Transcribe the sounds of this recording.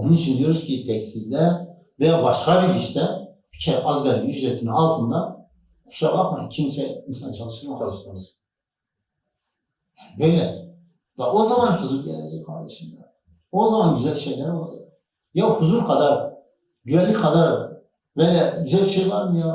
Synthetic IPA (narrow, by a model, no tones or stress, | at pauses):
onunyt͡ʃʰynd̪ijoɾuscid̪ɛksid̪æ | vɛjabɑʃkɑbiɾiʃt̪ɛpʰi̥cʰɛɾɑzɡɑlinyʃd̪ɛt̪ʰinɑlˠt̪ʰɯnd̪ɑ | χu̥ʃɑbɑqmajcʰimsɛinsɑnt͡ʃʰɑlˠɯʃt̪ɯmaazɯaz | janibøjlɛ | vɛʔo̞zɑmɑnhuzuɾɟɛ̰lɛ̰d͡ʒɛ̰kʰɑ̰ɾd̪ɛʃind̪a̰ | ozɑmɑnɟyzælʃejlæɾo̞lˠa̰d͡ʒɑ̰q | jahuzuɾkʰɑd̪ɑɾ | ɟyvænlʲːikʰɑd̪ɑɾ | vɛjlɛɟyzælʲbiʃejvɑɾmɯja